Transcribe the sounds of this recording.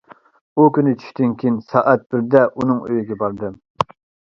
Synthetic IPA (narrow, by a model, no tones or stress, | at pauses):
ukʲynɪt͡ʃʰy̥ʃʲt̪ynkʲʰinsɑːʔɛt̪̚b̥ɪɾd̪ɛʔunɨŋø̰jiɡʲɛbɑɾd̪ɨ